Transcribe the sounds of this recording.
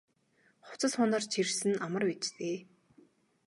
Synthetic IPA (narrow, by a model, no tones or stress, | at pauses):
χʊ̥t͡sə̆sχʊnə̆rt͡ɕʰirsɘ̆namə̆rwet͡ɕt̪eː